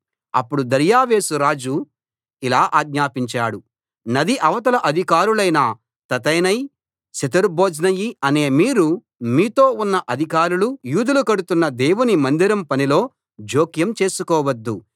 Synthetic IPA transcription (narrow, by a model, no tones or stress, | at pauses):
ɐ̰pːuɽud̪ɐɾjaːʋe̞ːsuɾaːd͡ʒu | ilaːʔaːɡ̚ɲaːpiɲt͡ʃaːɽu | nɐd̪iʔɐʋɐt̪̬ɐlɐʔɐd̪ʱikaːɾulɐjnɐ | t̪ɐt̪ɐjnɐj | sɐt̪ɐɾboːd͡ʒnɐjiɐne̞ːmiːɾu | miːt̪o̞ːunːɐʔɐd̪ʱikaːɾulujuːd̪ulukɐɽut̪unːɐd̪eːwunimɐnd̪iɾɐmpɐnilo̞ː | d͡ʒoːkjɐmt͡ʃe̞ːsukɔːʋɐd̪ːu